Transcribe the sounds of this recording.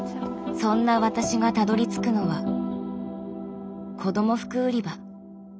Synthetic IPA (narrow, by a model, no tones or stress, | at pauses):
sõ̞nːaβat̪aɕiɡat̪ad̪o̞ɾʲit͡sɨ̥kɯ̟no̞βa | kʰo̞d̪o̞mo̞ɸɯ̟̥kɯ̟ːɾʲiba